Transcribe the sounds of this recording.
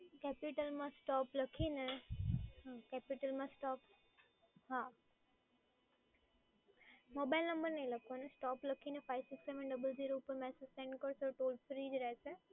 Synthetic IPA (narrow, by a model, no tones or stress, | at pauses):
kɛːpɪʈəlmãsʈɔːplɐkʰinə | ɦãkɛːpɪʈəlmãsʈɔːp | ɦãː | moːbaːɪlnɐ̃mbəɾneĩlɐkʰonəsʈɔːplɐkʰinəfʰaːɪʋsɪkseːʋə̃nɖɐbəlziːɾoːpəɾmɛːsəsẽːɳɖkəɾsɔʈoːlfɾiːd͡ʒɾɐɦese